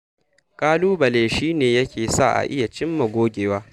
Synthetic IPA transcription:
kʼaː˦luː˦bɐ˨leː˨ʃiː˦neː˨jɐ˦kʲʰeː˨sa̰˦˨ʔa̰˨ʔɪ˦ja˨t͡ʃɪ˦mːɐ˨ɡʷoː˦ɡʲeː˨waː˦

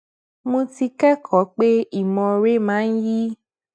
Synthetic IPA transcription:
mõ˧ti˧kɛ˦kʰɔ˨˦k͡pe˦i˦˨mɔ̃˧ɾe˦mãː˨˦n̩˦ji˦

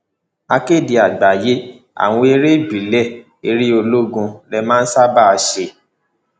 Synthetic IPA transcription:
a˧ke˦˨di˨˧a˨ɡ͡ba˨je˨˦ | a̰˨w̃ɔ̃˧e˧ɾe˦˨bi˨lɛ˦˨ | e˨˧ɾi˦o˧lo˦ɡũ˧lɛ˧mãː˦n̩˦sa˦ba˦˧ʃe˧

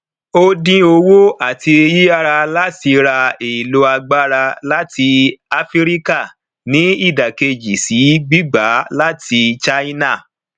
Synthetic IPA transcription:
o˦dĩ˦o˧wo˦a˦˨ti˧ji˦a˦˧ɾa˧la˦ti˧ɾa˧e˨i˨lo˧a˧ɡ͡ba˦ɾa˧la˦ti˧a˧fi˦ɾi˦ka˦˨ | nĩ˨˦i˦˨da˨ke˧d͡ʒi˨si˨˦ɡ͡bi˦ɡ͡ba˨˦la˦tʰi˧t͡ʃa˦i˦na˦˨

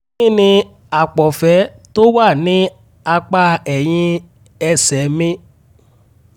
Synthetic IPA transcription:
ĩ˦˨nĩ˧ | a˨k͡pɔ˨fɛ˨˦ | to˦wa˦˨nĩ˨˦ | a˧k͡pa˧ɛ˨j̃ĩ˧ | ɛ˧sɛ˨mĩ˦

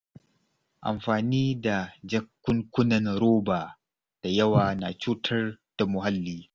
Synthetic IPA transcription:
ʔa̰˨mɸaː˨niː˦da˨d͡ʒɐ˦kːʊ˦ŋkʷʊ˦nɐ˨nɾoː˦baː˨ | d̥a˨jɐ˦waː˨na˨t͡ʃuː˦tʰɐ˦rd̥a˨mʊ˨ɦa˦lːiː˨

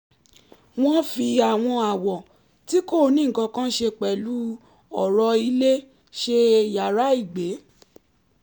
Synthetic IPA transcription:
w̃ɔ̃˦fi˧a˨w̃ɔ̃˧a˨wɔ˨ | ti˦ko˦˨˧nĩ˦ŋ̩˨kã˧kã˦ʃe˧k͡pɛ˨lu˦ | ɔ˨ɾɔ˧i˧le˦ | ʃe˧ja˨ɾa˦i˦˨ɡ͡be˨˦

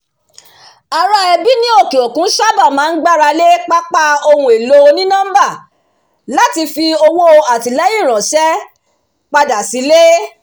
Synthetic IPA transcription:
a˨ɾa˧ɛ˧bi˦nĩ˦o˦˨ke˨o˨kũ˦ʃa˦ba˦˨mãː˨˦n̩˦ɡ͡ba˦ɾa˧le˦k͡pa˦k͡pa˧o˧hũ˧˦e˨lo˦˧nĩ˦nã˦m˦ba˦˨ | la˨˦ti˧fi˧o˧wo˦o˧a˨ti˨˦lɛ˦ji˦˨ɾ̃ɔ̃˨ʃɛ˦ | k͡pa˧da˨si˨˦le˦

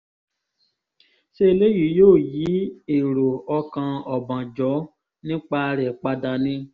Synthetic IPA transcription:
ʃe˦e˧le˦ji˨˦joː˦˨ji˨˦e˨ɾo˨ɔ˧kã˧ɔ˨bã˨d͡ʒɔ˨˦ | nĩ˦k͡pa˧˦˧ɾɛ˨k͡pa˧da˧nĩ˦

